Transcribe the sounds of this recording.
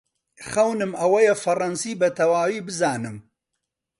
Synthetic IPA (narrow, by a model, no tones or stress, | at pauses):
xɐwnɨmɐwɐjɛfɐrɐnsiːbɐt̪ʰɐwaːwiːbɨzaːnɨm